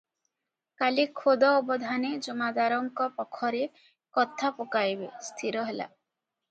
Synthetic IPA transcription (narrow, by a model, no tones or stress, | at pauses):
kalikʰod̪ɔːbɔd̪ʱaned͡ʒɔmad̪aɾɔŋkɔpɔkʰːɔɾe | kɔt̪ʰapɔkajbest̪ʰiɾɔɦela̰